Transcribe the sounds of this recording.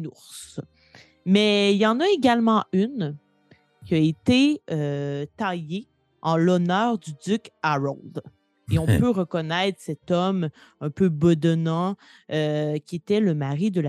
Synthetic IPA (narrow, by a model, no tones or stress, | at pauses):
nuʁs | mɛiljɑ̃naeɡʲalmɑ̃yn | kʲiaet̪eøt̪aje | ɑ̃lɔnœːʁd̪yd̪ykaʁɔld̪ | eɔ̃pøʁəkɔnɛɪt̪χsɛt̪ɔm | ɛ̃pøbɔd̪ɔnɑ̃ | økʲiet̪ɛləmaʁid̪əl